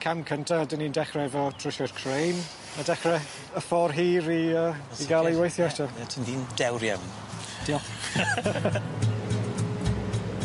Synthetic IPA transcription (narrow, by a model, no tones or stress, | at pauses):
kʰamkʰəntʰadənindɛχrɛɛvɔtʰr̥ʊʃɛrkʰrejn | adɛχrɛ | əfɔrɦiːɾiəː | iɡalˠejwajθjɔɛtɔatʰiniːndɛwɾjamn | d̥iɔ